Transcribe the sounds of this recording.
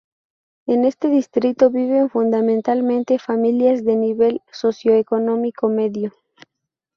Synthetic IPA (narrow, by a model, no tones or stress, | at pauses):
ene̞st̪eðist̪ɾit̪o̞βiβe̞ɱfund̪amẽnt̪almẽnt̪e̞familjazðe̞niβe̞lso̞sjoeko̞nõmikome̞ðjo